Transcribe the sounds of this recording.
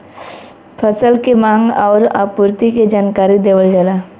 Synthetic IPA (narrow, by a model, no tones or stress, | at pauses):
pʰəsəlkemãːŋɡɔːɾa̰ːpuɾt̪iked͡ʒaːnkaːɾid̪eːʋəlɡeːla